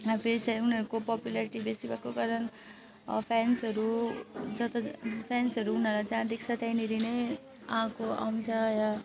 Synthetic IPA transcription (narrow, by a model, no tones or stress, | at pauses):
apʰeɾisajunɦʌɾukopɔpjulaɾiʈibesibakoɡaɾʌn̰ | pʰansɦʌɾud͡zʌt̪ʌpʰansʌɾuunʌɾlajd͡zãd̪ik̚ʰt͡sʰʌt̪ajniɾine | ʌɦãkoa̰w̃t͡sʰʌja